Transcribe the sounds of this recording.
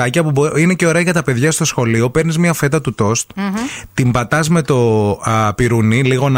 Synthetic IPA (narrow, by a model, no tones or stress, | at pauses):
ɐciɐpubineceo̞ɾe̞ɐʝɐt̪ɐpe̞ðʝɐst̪o̞sxo̞lio̞pe̞ɾnizmɲɐfe̞t̪ɐt̪ut̪o̞st̪t̪imbɐt̪ɐzme̞t̪o̞piɾuniliɣo̞n